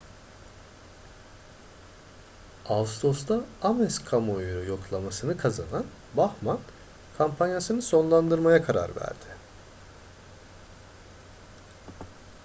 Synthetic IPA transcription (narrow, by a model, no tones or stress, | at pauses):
avst̪o̞st̪aamɛskʰamojɾujo̞klˠamasɯnɯkʰaza̰nan | baxman | kʰampʰanjasɯnɯso̞nlˠand̪ɯɾmajakʰaɾa̰ɾvæ̰ɾd̪ɪ